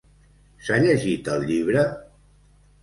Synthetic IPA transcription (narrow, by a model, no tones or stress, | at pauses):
saʎəʒit̪əlˠʎiβ̞ɾə